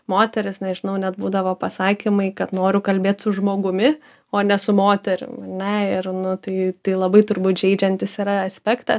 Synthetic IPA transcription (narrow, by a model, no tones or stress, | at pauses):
moːt̪ʲɛɾʲɪsnʲɛʒʲɪnɐʊnʲɛt̪buːd̪ɐʋoːpɐsɑːkʲɪmɐɪkɐt̪noːɾʲʊkɐlʲbʲeːt̪sʊʒmoːɡʊmʲɪ | oːnʲɛsʊmoːt̪ʲɛɾʲʊ̰mɐnʲɛɪrnʊt̪ɐɪt̪ɐɪlˠɐbɐɪt̪ʊɾbuːt̪ʒʲɛɪd͡ʒʲɛnʲt̪ʲɪsiɾɐɐsʲpʲækt̪ɐ